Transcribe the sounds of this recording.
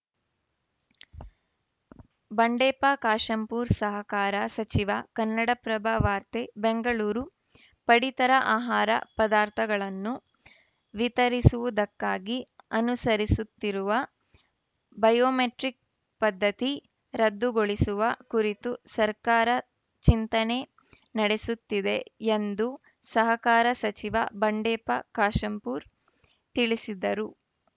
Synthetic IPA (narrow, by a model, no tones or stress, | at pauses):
bɐɳɖɛːpaːkaːʂɐmpuːɾsɐɦɐkaːɾɐsɐt͡ʃiʋɐkɐnːɐɽɐpɾɐbʱaːʋaːɾt̪ebeŋɡɐɭuːɾu | pɐɽit̪ɐɾɐʔaːɦaːɾɐ̰pɐd̪aːɾt̪ʰɐɡɐɭɐnːu | ʋit̪ɐɾisuʋud̪ɐkːaːɡiɐnusɐɾisut̪ːiɾuʋɐ | bɐjoːmeʈɾik̚ | pɐd̪ʱːɐt̪i | ɾɐd̪ːuɡoɭisuʋɐkuɾit̪usɐɾkaːɾɐ | t͡ʃint̪ɐne̞ | nɐɽe̞sut̪ːid̪e̞end̪u | sɐɦɐkaːɾɐsɐt͡ʃiʋɐ̰bɐɳɖɛːpɐ̰kaːʃɐmpuːɾ | t̪iɭisid̪ɐɾu